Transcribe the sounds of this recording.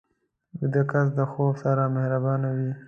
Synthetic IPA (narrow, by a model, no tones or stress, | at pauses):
ɡəd̪əkas̬d̪əxobsaɾamehɾabɑnawi